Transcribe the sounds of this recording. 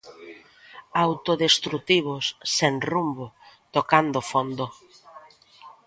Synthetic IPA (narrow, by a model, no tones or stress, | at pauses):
awt̪oðest̪ɾut̪iβʊsːenrumbʊt̪okand̪ofond̪ʊ